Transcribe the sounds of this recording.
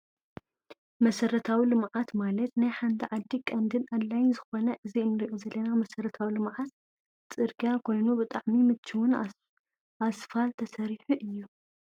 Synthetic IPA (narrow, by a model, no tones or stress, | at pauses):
mɐsɐɾɐt̪ʰawilɨmʕat̪malɐt̪najħant̪ʰiʕad̪ːikʼɐnd̪ɨnad̪lajnzɨxo̞nɐʔɨziɨnːɨɾiʔozɐlːɐnamɐsɐɾɐt̪ʰawilɨmʕat̪ | t͡sʼɨɾɡijakʰo̞jnubɨt̪ʼaʕmimɨt͡ʃːiwʊn | asfalt̪ʰɐsɐɾiħuʔɨjːu